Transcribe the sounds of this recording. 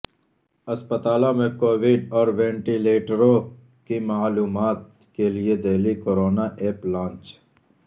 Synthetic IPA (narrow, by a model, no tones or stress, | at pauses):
əspət̪aːlõmẽkoːʋɪɖɔːɾʋẽːɳʈileːʈɾõ | kimaːluːmaːt̪̚ | kelied̪eːlikoːɾoːnaːʔeːplãːnt͡ʃ